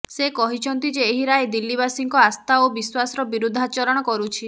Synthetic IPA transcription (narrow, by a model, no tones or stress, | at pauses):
sekɔɦit͡ʃʰɔnt̪id͡ʒeːɦiɾajd̪ilːiβasiŋkɔast̪ʰaobiswasɔɾɔbiɾud̪ʱːat͡ʃɔɾɔɽ̃ɔkɔɾut͡ʃʰi